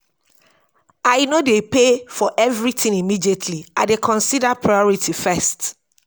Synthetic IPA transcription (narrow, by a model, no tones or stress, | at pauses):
aɪnodepefɔʔɛvɹitʰĩnimidietʰliaɪdekʰɔ̃nsidapʰɹajɔɹitʰifɛst